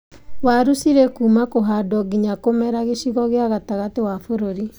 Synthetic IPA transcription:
waɾusiɾekuːmakoɦadɔɡiɲakomɛɾaɣeʃiɣɔɣeaɣataɣatewafoɾoɾi

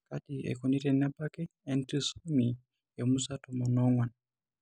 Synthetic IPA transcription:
kaɗiɛ̰kunitɛnabakɛɛntisumi | jɛmusatɔmɔnɔŋwan

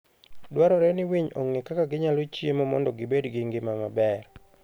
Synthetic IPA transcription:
dwaɾɔɾɛnɪwiɲo̰ŋːekakaɡɪɲalɔt͡ʃjemɔmɔ̰ndɔɡɪbedɡɪŋɡɪmamabɛr

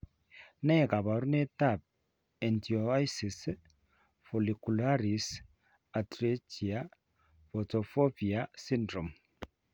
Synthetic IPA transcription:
nɛkabaɾunɛtap̚ | ɛntiojsis | fɔlikulaɾis | atɾet͡ʃia | fɔtɔfopiasindɾɔm

